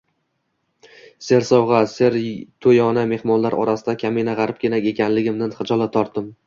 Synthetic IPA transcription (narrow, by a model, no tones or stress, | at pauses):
se̞ɾsɒwʁɑseɾt̪ʰojɒname̞hmɒnlaɾɒ̰ɾasɪd̪akʲʰamenaʁɑɾɪp̚kʲʰenakʲe̞kʲʰanlɪɡʲɪmd̪anχɨd͡ʒɒlˠat̪ʰɒɾt̪ːɪm